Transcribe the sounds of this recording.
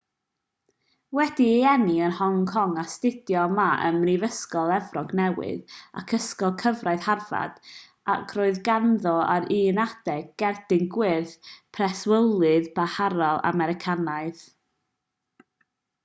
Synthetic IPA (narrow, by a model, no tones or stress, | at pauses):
wɛd̥iɛniənhɔŋkʰɔŋastɪd̥jɔmaə̰mrivəskɔlˠɛvrɔɡnɛwɪ̰ða̰kʰəskɔlˠkʰəvraɨðharva̰d̥ | a̰kʰroːɨðɡanðɔaɾiːnad̥ɛɡːɛrd̥ɪnɡwɪðpʰrɛswəlˠɨðbahaɾɔlˠa̰mɛɾɪkʰanaɨð